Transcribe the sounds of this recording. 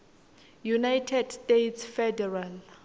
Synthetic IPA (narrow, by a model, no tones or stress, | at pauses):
junajtʰɛdstetsfɛdɛral